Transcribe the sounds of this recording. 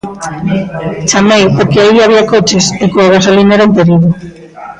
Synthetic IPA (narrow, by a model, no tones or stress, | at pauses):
t͡ʃamejpoɾkeaiaβ̞iakot͡ʃesekoaɣ̞asolineɾaump̪eɾiðo